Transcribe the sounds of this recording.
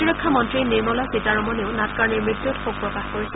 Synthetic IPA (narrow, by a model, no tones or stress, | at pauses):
iɹɔkʰːamɔntɹinemɔlasitaɹɔmɔneʊnatkaɹnemɹit̪ːjutxuk̚pɹɔkaxkoɹisɛ